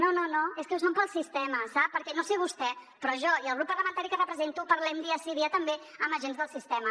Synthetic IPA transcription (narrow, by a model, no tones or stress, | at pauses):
nononoeskɛws̬ompəlˠsist̪ɛməsapːəɾkɛnoseβust̪ɛpɾɔʒɔiəlˠɣɾupːərləmə̃nt̪aɾikərəpɾəzent̪upəɾlɛmd̪iəsiðiət̪əmbeəməʒenzðəlˠsist̪ɛmə